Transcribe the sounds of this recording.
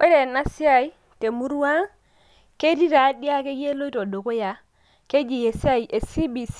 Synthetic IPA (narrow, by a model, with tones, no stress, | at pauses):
wʔe˦ɾe˨na˦si˦a˦i˦ | te˨mu˦ɾu˦wa˦ | ke˦ti˦ɾa˨˦di˦a˦ke˦ɡe˦lo˦i˦to˨do˨ko˦ja˨ | ke˦d͡ʒi˨je˨si˦a˦i˨ʔe˨si˦bi˨s